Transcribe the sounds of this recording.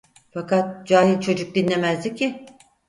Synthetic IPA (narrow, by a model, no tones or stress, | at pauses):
fakʰat̪̚d͡ʒaːɦilʲt͡ʃʰo̞d͡ʒuk̚d̪inlːʲe̞mæzd̪ʲicːɪ